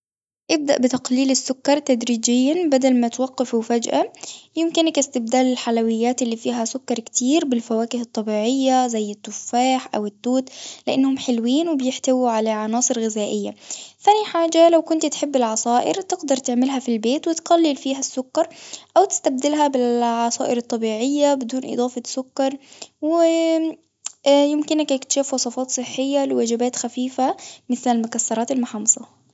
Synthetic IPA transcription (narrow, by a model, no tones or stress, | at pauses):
ʔɪb̚d̪a̰ʔbɪt̪aqliːlɪsːʊkːɑɾˤt̪ad̪ɾiːd͡ʒɪjːabad̪almat̪wɑqːɪfwfad͡ʒʔajɪmkɪnkast̪ɪbd̪aːlɪlħalawɪjːaːt̪ɪlːiːfiːɦasʊkːɑɾˤkt̪iːɾbɪlfawaːkɪhɨt̪ˤːɑbiːʕɪjːazajːɪt̪ːʊfːaːħʔa̰wɪt̪ːuːt̪lɪʔanːhʊmħɪlwiːnwɪbjɪħt̪awiʕalaʕɑnɑːsˤɨɾɣɪzaːʔɪjːa̰θaːniħaːd͡ʒalawkʊnt̪t̪ħɪbːɪlʕɑsˤɑːʔɪ̰ɾt̪ɪɡd̪ɑɾˤt̪ɪʕmɪlɦafilbeːt̪wɪt̪qalːɪlfiːɦasːʊkːɑɾˤʔawt̪ɪ̥st̪ab̚d̪ɪlɦabɪlʕɑsˤɑːʔɪɾɑt̪ˤːɑbiːʕɪjːabɪd̪uːnʔɨ̰d̪ˤɑːfɑsːʊkːɑɾˤwɪɪ | jɪmkɪnakjɪkt̪ḁʃafwɑsˤɑfɑːt̪sˤɨħːɪjːalɪwad͡ʒɪbaːt̪xafiːfamɪθlalmʊkasːɑɾˤɑːt̪almʊħɑmɑsˤɑ